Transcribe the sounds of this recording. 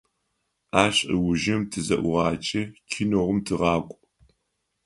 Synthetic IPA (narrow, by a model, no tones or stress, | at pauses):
aːɕʼḭwʊʒɪmtʰɨzɐʔʷʊʁɑːt͡ʃʼɐkʲʰɪnoːʁʊmtʰɨʁɑːkʷʼ